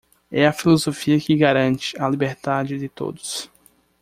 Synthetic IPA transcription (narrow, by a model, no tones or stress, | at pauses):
ɛɐfilozofiɐkɪɡaɾɐ̃nt͡ʃɪ̥ɐlibeɾt̪ad͡ʒɪd̪ɪt̪o̰d̪ʊs